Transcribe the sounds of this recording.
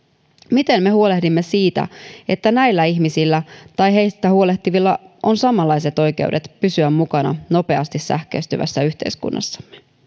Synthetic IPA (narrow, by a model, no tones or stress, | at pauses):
mit̪e̞nme̞huo̞le̞hdimːe̞siːt̪æ̰e̞t̪ːænæjlːæiçmisilːæt̪ɑjɦe̞jst̪æhuo̞le̞ht̪iʋilːɑo̞nsɑmɑlːɑjse̞t̪o̞jk̟e̞̰udet̪pysyæmːukɑnɑ̰no̞pe̞ɑst̪issæ̰hkøːst̪yʋæ̰sːæyçt̪e̞̰iskṵnːɑ̰sːɑ̥mːe